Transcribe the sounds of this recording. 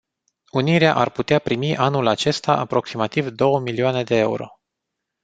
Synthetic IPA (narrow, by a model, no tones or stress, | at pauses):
uniɾeaʔarput̪eapɾimiʔanulat͡ʃe̞st̪aʔapɾo̞ksimat̪ivd̪o̞wəmilioane̞d̪e̞e̞ṵɾo̞̰